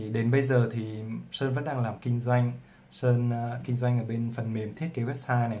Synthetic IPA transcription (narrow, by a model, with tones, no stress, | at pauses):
ɗe˨˦nɓə˧jzəː˨˩t̪ʰi˨˩səː˧nvə̰˧˥nɗaː˧ŋlaː˨˩mkï˧ŋ̟zwa˧jŋ̟ | səː˧nkï˧ŋ̟zwa˧jŋ̟ʔəː˧˩ɓe˧nfə˨˩nme˨˦mt̪ʰe˦˥t̚ki˨˦wɛ˦˥p̚saː˧na˨˩